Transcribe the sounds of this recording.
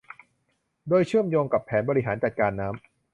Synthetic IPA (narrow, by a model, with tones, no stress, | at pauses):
doː˧jt͡ɕʰɯ˥˩əmjoː˧ŋka˨˩pʰɛː˩˦nbɔː˧ɾi˦˥ɦaː˩˦nt͡ɕa˨˩t̪̚kaː˧nːaː˦˥m